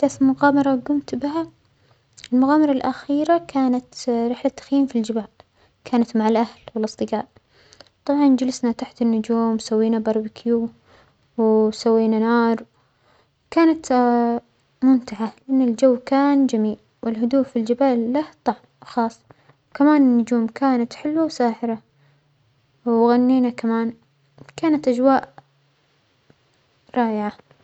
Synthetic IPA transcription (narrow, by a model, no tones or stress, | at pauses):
d̪afmʊɣaːmɑɾˤɑɡʊmt̪bɪha | ɪlmʊɣaːmɑɾˤɑlʔaxiːɾakʰaːnat̪ɾɪħlat̪ːḁxjiːmfild͡ʒɪbaːl | kʰaːnat̪maʕalʔahlwɪlʔɑsˤd̪ˤɨɡaːʔ | t̪ˤɑbʕɑnd͡ʒalɪsnat̪aħt̪ɪnːʊd͡ʒuːmsawːiːnabɑɾˤbɪkʰjuː | wsawːiːnanɑːɾˤ | wkaːnat̪ | mʊnt̪aʕalɪʔanːɪld͡ʒawːkaːnd͡ʒamiːl | wɪlɦʊd̪uːʔfild͡ʒɪbaːlːaht̪ˤɑʕ | xɑːsˤː | wkamaːnɪnːʊd͡ʒuːmkʰaːnat̪ħɪlwawsaːħɪɾa | wɣanːiːnakamaːn | kaːnat̪ʔad͡ʒwaːʔ | ɾˤɑːʔɪʕa